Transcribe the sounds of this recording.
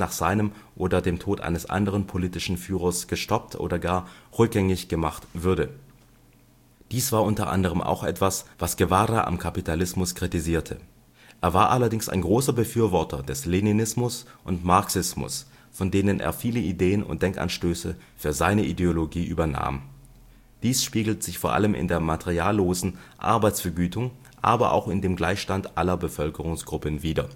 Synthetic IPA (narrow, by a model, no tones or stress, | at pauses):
naːχz̥aɪnəmʔoːdɐdeːmtʰoːtʔa̰ɪnəsʔa̰ndəʁ̞ənpʰoliːtɪʃn̩fyːʁɐsɡ̥əʃtɔp̚tʰʔo̰ːdɐɡaːɐʁʏk̚ɡ̥ɛŋɪçɡ̥əmaχtv̥ʏɐdə | d̥iːsv̥aːɐʔʊntɐʔa̰ndəʁ̞əmʔa̰ʊxʔɛ̰tv̥asv̥asɡ̥evaːɾaʔa̰mkʰapitʰalɪsmʊskʁ̥itiziːɐtʰə̰ | ʔeːɐvaːɐʔalɐdɪŋsa̰ɪnɡʁoːsɐbəfyːɐvɔɐtʰɐdɛsleninɪsmʊsʔʊntmaɐksɪsmʊ̰s | fɔndeːnənʔḛːɐfiːləʔideːənʊ̰nt̚d̥ɛŋka̰nʃtøːsə | fyːɐzaɪnəʔideoloɡiːʔyːbɐna̰ːm | d̥iːsʃpiːɡl̩təz̥ɪçfoːɐʔa̰ləmʔɪ̰ndeːɐmatʰeʁiaːlːoːzn̩ʔa̰ɐbaɪt͡ssfɛɐɡyːtʊŋ | ʔaːbɐʔa̰ʊxɪndeːmɡlaɪçʃtantʔalɐbəfœlkəʁ̞ʊŋsɡ̥ʁʊpənviːdɐ̰